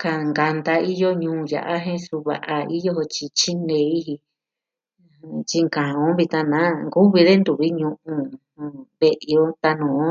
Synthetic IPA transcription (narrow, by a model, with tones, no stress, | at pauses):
ka˧ŋɡa˧nd̪a˧i˦jo˦ɲũː˧˦ja̰˨ʔa˦ɦẽ˦su˧βa̰˧ʔa˧i˦jo˦ɦo˧t͡ʃi˧t͡ʃi˦nẽ˧i˦ɦi˧ | t͡ʃi˧ŋkã˨õ˦βi˧t̪ã˧nã˨˦ŋɡu˦βi˧ðe˦nd̪u˨βi˦ɲũ˧ʔũ˧˨ | βe˧ʔo˦t̪a˧nũː˨õ˦